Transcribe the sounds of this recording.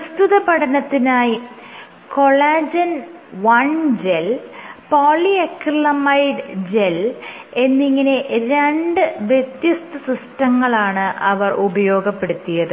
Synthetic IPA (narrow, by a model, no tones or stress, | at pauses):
pɐst̪uðɐpɐʈʰɐnɐt̪ːinaːji | ko̞ɭaːd͡ʑɐnʋɐɳd͡ʑelpoːɭiekːilɐmɐjɖd͡ʑele̞nːiŋːɐne̞ɾeɳɖɨʋjet̪jɐst̪ɨsrusʈɐŋːɐɭaːɳɨʔɐʋɐrʔubɐjo̞ːɡɐpːe̞ɽut̪ːijɐðɨ